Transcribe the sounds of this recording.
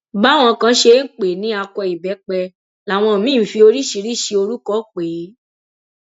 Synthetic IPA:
ba˦˨w̃ɔ̃˧˨kã˧˦ʃe˧˦ŋ̩˦˨k͡pe˨nĩ˨˦a˧kɔ˧i˨bɛ˨˦k͡pɛ˧ | la˨w̃ɔ̃˧˨mĩ˦˨fi˧o˧ɾi˦ʃi˧ɾi˦˨ʃi˧o˧ɾu˦kɔ˦˨k͡pe˨˦

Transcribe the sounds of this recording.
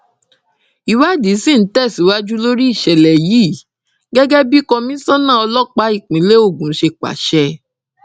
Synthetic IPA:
i˨wa˦di˨˦sĩ˦˨n̩˨˦tɛ˦˨si˨˦wa˦d͡ʒu˦lo˦ɾi˦i˦˨ʃɛ˨lɛ˨jiː˦˨ | ɡɛ˦ɡɛ˦bi˦kɔ˧mĩ˦sã˦nã˦˨ɔ˧lɔ˦k͡pa˨˦i˦˨k͡pĩ˨˦le˦o˦˨ɡũ˨˦ʃe˧k͡pa̰˨ʃɛ˧

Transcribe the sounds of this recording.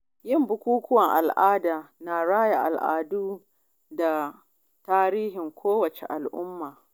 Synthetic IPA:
jɪ˦˨mbʊ˦kʷuː˦kʊ˦wɐ˨ŋʔa̰˨lʔaː˦daː˨naː˨ɽaː˦ja˨ʔa̰˨lʔa̰ː˨duː˦ | da˨ | taː˦ɾiː˦hɪ˨ŋkʷʰoː˦wɐ˨t͡ʃḛ˨ʔa˨lʔʊ˦mːaː˨

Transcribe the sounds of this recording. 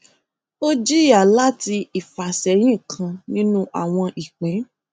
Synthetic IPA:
o˦d͡ʒi˦ja˨la˦ti˧i˨fa˨sɛ˨˦j̃ĩ˦˨kʰã˧nĩ˦nũ˦ʔa̰˨w̃ɔ̃˧ʔi˨k͡pẽ˨˦

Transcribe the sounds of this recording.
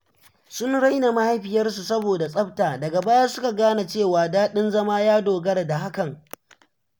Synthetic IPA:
sʊ˦nɽa˦jna˨ma˦ha˦jɸɪ˨jɐ˦rs̬u˨sɐ˦boː˨da˨sʼɐ˦ɸtaː˨dɐ˨ɡa˨baː˦ja˦sʊ˦ka˨ɡaː˦na˨t͡ʃeː˦˨waː˨daː˦ɗɪ˦nzɐ˦maː˦jaː˦doː˨ɡɐ˦ɽa˨da˨ɦa˦kɐ˨ŋ

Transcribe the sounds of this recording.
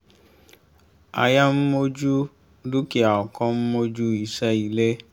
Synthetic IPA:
a̰˧ja˦m̩˦mo˦d͡ʒu˦ | du˦ki˦a˨ɔ˨kɔ̃˦m̩˦mo˦d͡ʒu˦i˨ʃɛ˦i˨le˦

